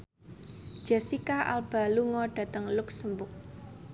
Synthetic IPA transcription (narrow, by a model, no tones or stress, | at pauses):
ʒ̥asikaʔa̰lb̥a̤luŋɔɖ̥a̤t̪əŋlʊksəmbʊk̚